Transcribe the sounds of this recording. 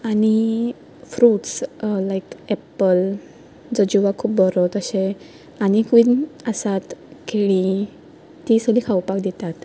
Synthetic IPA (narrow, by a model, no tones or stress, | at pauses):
aɽ̃i | fɾuːʈslaikɛpəl | d͡zəd͡ʑuʋakʰuːp̚bəɾot̪əɕe | añikʋiːnəsat̪kʰeɭi | t̪isəliːkʰawpakd̪it̪at̪